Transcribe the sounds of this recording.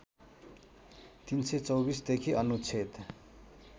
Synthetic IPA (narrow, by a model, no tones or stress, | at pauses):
t̪inset͡sʌwbisd̪ekʰiʔʌnut͡sʰet̪